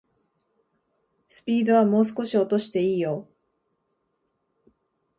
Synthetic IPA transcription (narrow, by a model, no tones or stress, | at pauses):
sɨ̥pʲiːd̪o̞β̞amo̞ːs̬ɨ̥ko̞ɕio̞t̪o̞ɕi̥t̪e̞iːjo